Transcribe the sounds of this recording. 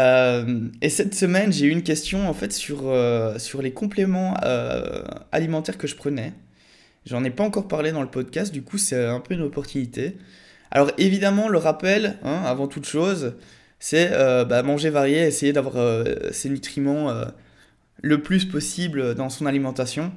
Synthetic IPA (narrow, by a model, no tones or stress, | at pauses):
ømesɛt̪səmɛnʒeyynkʲɛst̪jɔ̃ɑ̃fɛt̪syʁøsyʁlekɔ̃plemɑ̃ø̰ | a̰limɑ̃t̪ɛʁkəʒəpχənɛ | ʒɑ̃nepaɑ̃kɔʁpaʁled̪ɑ̃ləpɔd̪kʲast̪̚d̪ykʰusɛɛ̃pøynɔpɔʁt̪ynit̪ʰe | a̰lɔʁevid̪amɑ̃ləʁapɛlɛ̃avɑ̃t̪ut̪ʃoːz | sɛøbamɑ̃ʒevaʁjeɛsejed̪avwaʁøsenyt̪χimɑ̃ø̰ | ləplyspɔsiblød̪ɑ̃sɔ̃nalimɑ̃t̪asjɔ̃